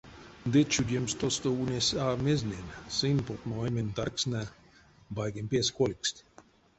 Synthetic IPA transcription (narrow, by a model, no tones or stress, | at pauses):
d̪et͡ʃud̪ʲjemst̪ost̪ounʲesameznʲensɨnpot̪moemʲent̪arksna | bajɡempeskolʲksʲt̪ʲ